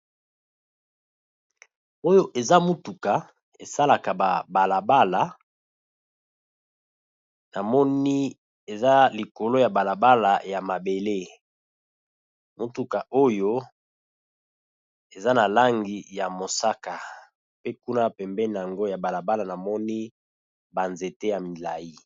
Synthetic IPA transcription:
o˦jo˦ʔe˨za˦mu˦tu˨ka˨ | e˨sa˦la˨ka˨ba̰˨ba˨la˨ba˦la˨ | na˨mɔ˦ni˦ | e˨za˦li˨ko˨lo˦ja˨ba˨la˨ba˦la˨ja˨ma˨be˨le˦ | mu˦tu˨ka˨ʔo˦jo˦ | e˨za˦na˨la˦ŋɡi˦ja˨mo˨sa˦ka˨ | pe˦ku˦na˦pɛ˨mbɛ˦ni˨a˨ŋɡo˦ja˨ba˨la˨ba˦la˨na˨mɔ˦ni˦ | ba˨nze˨te˦ja˨mi˨la˨ji˦

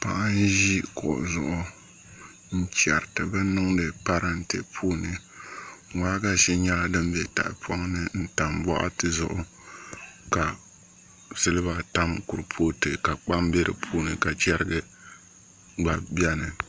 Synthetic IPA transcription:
pa̰˦˨ʔa˦n˦ʒi˦kɔ̰˨ʔzʊ˨ʔʊ˦ | n̩˦t͡ʃɛ˨ɾtɨ˨bɨ˦nɨ˦ŋdɨ˨pa˦ɾa˦n̩˦te˨pʰoː˦nɨ˨ | waː˦ɡa˨ʃɛ˦ɲɛ˦la˦dɨ˦m˦be˨ta̰˨ʔɪ̰˨pʰɔ˦ŋ˦nɨ˦n̩˦ta˨mbɔ̰˦ʔa̰˦tɨ˨zʊ̰˨ʔʊ˦ | ka˨ | sɨ˦lɨ˦ba˨ta˦mkʊ˨ɾɨ˨pʰoː˦tɨ˨ka˨k͡pa˦mbe˦ɾɨ̰˨pʰuː˦nɨ˨ka˨t͡ʃɛ˦ɾɨ˦ɡɨ˦ | ɡ͡ba˨bɛ˦nɨ˨

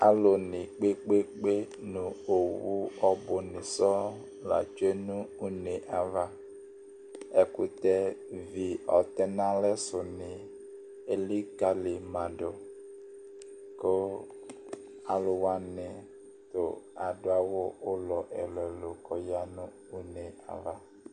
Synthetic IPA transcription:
a˨lo˨nɪ˨k͡pe˦k͡pe˦k͡pe˦nũ˨o˨wu˦ɔ˦bʊ˨nɪ˨sɔ˦ | la̰˨t͡ʃe˦nũ˦u˦ne˨ʔa˨va˨ | ɛ˦kʊ˦t̪ɛ˦vi˨ɔ̰˨t̪ɛ˦nã˦lɛ˦sʊ˨nɪ˨ | e˨li˦ka˦lɪ˨mã˨dʊ˨ | ko˦ | a˨lʊ˨wa˨nɪ˨ | t̪ʊ̰˨a˨dʊ˨a˨wʊ˦ʊ˦lɔ˨ʔɛ˨lɛ˨lo˨kɔ˨ja˦nʊ̃˦ | u˦ne˨a̰˨va˨

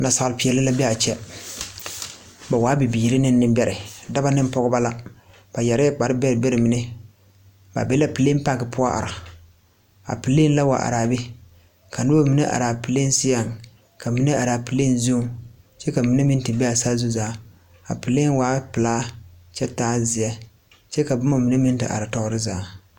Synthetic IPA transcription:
na˨sa˨ɣlɪ˨pi˨ɛ˨lɪ˦la˦bɛ˦a˨t͡ʃɛ˦ | ba˨waː˦bi˨biː˨ɾɪ˦nɪ˦nː˦ɨ˦mbɛ˨ɾɪ˨da˦ba˦nɨ˦m˦pɔ˦ɡʊ˦ba˦la˦ | b̥a˨jɛ˨ɾɪ˦ɛ˦k͡pa˨ɾɪ˦bɛ˦ɾɪ˨bɛ˦ɾɪ˨mi˨nɛ˦ | ba̰˨bɛ˦la˦pɨ˨le˦m˦pa˦˨ɡɪ˨pʊ˦a˦ʔa̰˨ɾa˨ | a̰˨pɨ˨le˦nla˦wa̰˨ʔa̰˨ɾaː˨bɛ˦ | kʰa˨nɨ˦o˦mi˨nɛ˦ʔa̰˨ɾaː˨pi˨le˦n˦si˦ja˨ŋ | ka˨mi˨nɛ˦a˨ɾaː˨pɨ˨le˦n˦zo˦ | t͡ʃɛ˦ka˨mi˨ne˦mi˦n˦tɨ˨bɛ˦a˨saː˦zu˦zaː˨˦ | a̰˨pɨ˨le˦n˦waː˦pɨ˨laː˦t͡ʃɛ˦taː˦zɪ˨a˦ | t͡ʃɛ˦ka˨bʊ˦ma˦mi˨ne˦mi˦n˦tɨ̰˨ʔa̰˨ɾa˨tɔ˦ʊ˦ɾɪ˦zaː˨˦

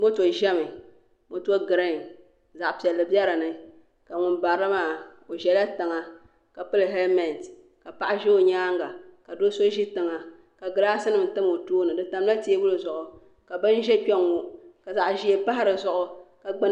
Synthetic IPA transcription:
mo˦to˨ʒɛ˦mɨ˨ | mo˦tu˦o˦ɡɨ˨ɾɨ˦˨n | za˨ʔpɛ˨lːɨ˨bjɛ˦ɾɨ˨nɨ˨ | ka˨ŋʊ˨nba˨ɾɨ˦maː˦˨o˨ʒɛ˨la˦tɨ˨ŋa˨ | ka˨pɨ˦lɨ˨ɦɛ˦lmɛ˨n˨t | ka˨pa˨ʔa˦ʒɛ˦o˨ɲaː˦ŋɡa˨ka˨do˦so˦ʒi˦tɨ˨ŋa˨ | ka˨ɡɨ˨ɾa˦sɨ˦nɨ˨tɨ˦m˨o˨toː˦nɨ˨dɨ˨ta˨m˦la˦ti˦e˦wu˦lɨ˨zʊ˨ʔʊ˨ | ka˨bɨ˦n˦ʒɛ˦k͡pɛ˦ŋo˨ka˨za˨ʔʒi˦e˦pa˦ha˦ɾɨ˨zʊ˦ʔʊ˨ka˨ɡ͡bɨ˦

